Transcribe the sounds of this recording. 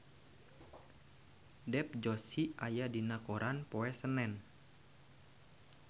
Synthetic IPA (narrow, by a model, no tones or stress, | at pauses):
dɛp̚d͡ʒɔsiajadinakoɾʔanpoɛsənɛn